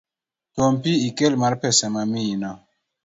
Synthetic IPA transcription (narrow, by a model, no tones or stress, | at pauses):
tompiikelmaɾpɛsamamina